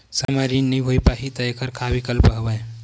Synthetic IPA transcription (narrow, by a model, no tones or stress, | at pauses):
samaɾinnəjɦojpaɦit̪əekʰəɾkʰabikəlpəɦbəj